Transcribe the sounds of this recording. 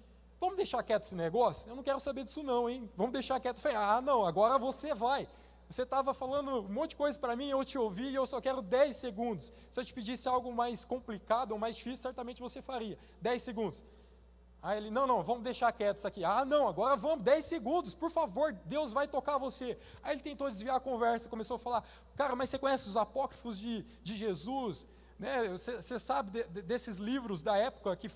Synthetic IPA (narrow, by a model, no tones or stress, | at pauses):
vɐ̃mʊd̪ejʃaɾkɛt̪ʊ̥zɪneɡɔsjʊewnɐ̃w̃kɛɾʊsabeɾd͡ʒi̥sʊnɐ̃w̃ẽj̃vɐ̃mʊd̪ejʃaɾkɛt̪ʊfaeanɐ̃w̃aɡɔɾɐvosevaj | voset̪avɐfalɐ̃nd̪ʊ̃mõtt͡ʃ̚d͡ʒɪkojzɐpɾɐmĩewt͡ʃɪowviɪewsɔkɛɾʊd̪ɛjseɡũnd̪ʊs | sɪewt͡ʃɪ̥pid͡ʒisɪawɡʊmajskõmplikad̪ʊomajzd͡ʒifisju̥sɛɾt̪amẽnt͡ʃɪvosefaɾiɐ | d̪ɛjsːeɡũnd̪ʊs | aelɪnɐ̃w̃nɐ̃w̃vɐ̃mʊd̪eʃaɾkɛt̪ʊzakianɐ̃w̃aɡɔɾɐvɐ̃mʊd̪ɛjseɡũnd̪ʊspoɾfavoɾd̪ewzvajt̪okavose | ajelɪt̪ẽnt̪owd̪ɪzviaɐkõvɛɾsɐkõmesowɐfala | kaɾɐmɐjsekõɲɛsɪʊzapɔkɾifʊzd͡ʒɪ | d͡ʒɪʒezus | nɛsesesabɪd̪ɛd̪esɪzlivɾʊzd̪ɐɛpʊ̥kɐkɪ